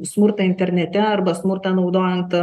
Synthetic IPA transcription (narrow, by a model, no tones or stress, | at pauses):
smʊɾt̪ɐɪnʲt̪ʲɛɾʲnʲɛt̪ʲɛɐrbɐsmʊrt̪ɑnɒʊd̪oːjɛnt̪